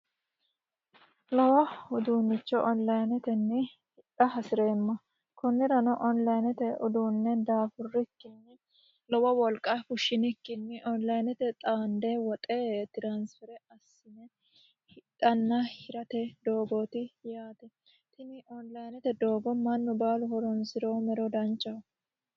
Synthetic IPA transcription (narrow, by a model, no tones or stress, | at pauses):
lɔwɐhʊd̪unːɪt͡ʃːɔʔɔnlɐjnɛt̪ɛnːɪ | hɪᶑ̪ɐɦɐsɪɾeːmːɐ | kɔnːɪɾɐnɔʔɔnlɐjnɛt̪ɛʊd̪uːnːɛd̪aːfʊrːɪkːɪnːɪ | lɔwɐwɔlkʼːafʊʃɪnɪkːɪnːɪʔɔnlɐjnɛt̪ɛt̪ʼaːnd̪ewɔt̪ʼet̪ɪɾansfɛɾɛɐsːɪnɛ | hɪt̪ʼːɐnːɐhɪɾɐt̪ɛd̪o̞ːɡɔt̪ɪjaːt̪ɛ | t̪ɪnɪʔɔnlɐjnɛt̪ɛd̪oːɡɔmɐnːɔbaːlʊhɔɾɔnsɪɾoːmɛɾɔd̪ɐnt͡ʃʼːɐ